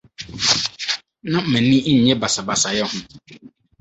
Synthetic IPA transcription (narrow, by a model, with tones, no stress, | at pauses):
nã˦m̩˨mɛ̃˨nĩ˦ɲ̩˨ɲɛ̃˦ba˨sa˨ba˨sa˨jɛ˦hʊ̃˦